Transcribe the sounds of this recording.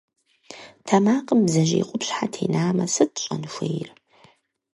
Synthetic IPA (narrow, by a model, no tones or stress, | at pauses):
tʰɐmaːqʼəmbzɐʒḛːqʷʼʊpɕħatʰḛːnaːmɐsɨtɕʼɐnɨxʷejr